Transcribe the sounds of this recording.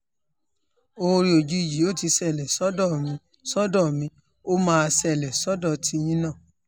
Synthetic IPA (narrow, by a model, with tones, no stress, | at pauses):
o˧ɾi˧o˨d͡ʒi˧˨ji˨˦o˦˨ti˧˦sɛ˦˨lɛ˨sɔ˦dɔ˦˨mĩ˧ | sɔ˦dɔ˦˨mĩ˨˧˦ | o˦mãː˦˧sɛ˦˨lɛ˨sɔ˨˦dɔ˦˨tʰi˧˦j̃ĩ˦nã˦˨